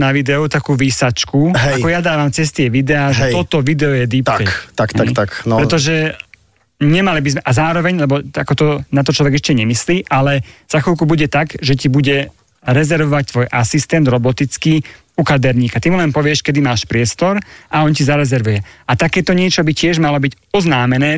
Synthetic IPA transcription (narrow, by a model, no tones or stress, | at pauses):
naʋid̪ɛɔt̪akuːʋiːsat͡ʃkuɦɛakɔjad̪aːʋamt͡sɛst̪ɪɛʋid̪ɛaːɛt̪ɔt̪ɔʋid̪ɛɔjɛd̪ip̪ɛt̪aktat̪akɾɛt̪ɔʒɛ | ɲɛmalibizmɛʔazaːɾɔʋɛɲlɛbɔakɔt̪ɔnat̪̬ɔt͡ʃlɔʋɛɡɛʃcɛɲɛmisliːʔalɛz̥axɔlkubuɟɛt̪aɡʒɛcibuɟɛ | ɾɛzɛɾʋɔʋac̚t̪ʋɔjʔasist̪ɛnd̪ɾɔbɔt̪it͡skiː | ukad̪ɛɾɲiːkat̪imulɛnpɔʋɪɛʃkɛd̪imaːʃpɾɪɛst̪ɔɾaɔncizaɾɛzɛɾʋujɛʔat̪akɛːt̪ɔɲɪɛt͡ʃɔbicɪɛʒmalɔbiɟ | ɔznaːmɛnɛː